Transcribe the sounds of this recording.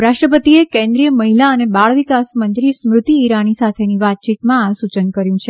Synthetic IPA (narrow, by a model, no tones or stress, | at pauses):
ɾaʃʈɾəpət̪iekẽnd̪ɾijəməɦilaənebaɭʋikasmənt̪ɾismɾʊt̪iːɾanisat̪ʰeniʋat̪̚t͡ʃit̪mãasut͡ʃənkəɾjũt͡ʃʰe